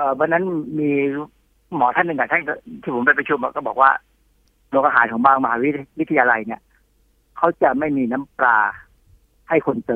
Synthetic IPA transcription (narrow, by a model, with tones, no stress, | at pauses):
ʔəː˨˩wa˧nːa˦˥nmiː˧ | mɔː˩˦t̪ʰa˥˩nːɯ˨ŋka˨˩t̪ʰa˥˩nkt̪ʰiː˥˩o˩˦mpa˧˩pɾa˧t͡ɕʰu˧ma˧˩kɔː˥˩bɔː˨˩k̚waː˥˩ | nu˧ŋʔaː˧ɦaː˩˦nkʰɔː˩˦ŋmaː˥˩ŋma˧ɦaː˨˦wi˦˥wi˦˥t̪ʰa˧jaː˧la˧jni˥˩ɐ | kʰa˦˥wt͡ɕa˨˩ma˥˩jmiː˧na˦˥mpɾaː˧ | ha˥˩jkʰo˧nt̪ɤː˧